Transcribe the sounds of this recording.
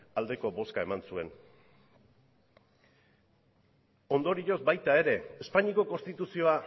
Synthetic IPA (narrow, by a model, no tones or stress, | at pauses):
ald̪e̞ko̞bo̞skae̞mansue̞n | o̞nd̪o̞ɾiɾo̞zbajt̪ae̞ɾe̞ːspaɲiko̞ko̞nst̪it̪usio̞a